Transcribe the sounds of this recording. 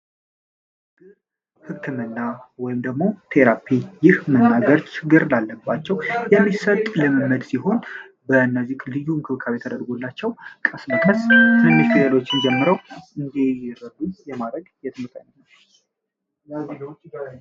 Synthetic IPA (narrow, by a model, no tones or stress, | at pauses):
hɨkkʰɨmɨnːawɔjɪmd̪əɡmo̞t̪ʰe̞ɾapʰijɪhmənːaɡəɾt͡ʃʰɪɡɨɾlalːəbːat͡ʃːɛwjɛmːisət̪ʼlɨmɨmːəd̪siɦo̞n | bənːəzikʼlɨjuŋkʰɨβkʰaβjɛt̪ʰəd̪əɾɡulːat͡ʃːɛwkʼəsməkʼəst̪ʰɨnːɨst̪ɡʰɨləlo̞t͡ʃːɪnd͡ʒɛmːɨɾəwʔɨnd̪ejɛɾəd̪ujɛmad̪ɾəɡjɛt̪ʰɨmɨk̪ʼːə̰nənː